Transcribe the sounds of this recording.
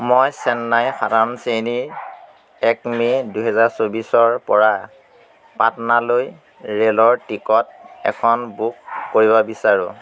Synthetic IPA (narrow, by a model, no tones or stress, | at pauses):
mojsɛnːajxadanseniɹ | ɛkmidujɦɛzaɹsobisɔɹpɔɹa | pa̰tnaloj | ɹelɔɹtikɔt̚ɛ̰kʰɔnbukːoɹibɔbisaɹũ